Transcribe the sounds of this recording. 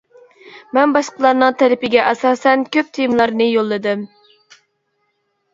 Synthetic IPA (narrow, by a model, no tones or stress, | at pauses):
mɛnbɑʃqəlˠɑɾnɨŋt̪ʰɛlɪpɪɡʲɛʔɛsɑːsɛnkʲøp̚t̪ʰijmlˠɑɾnɨjolˠːɨd̪ɨm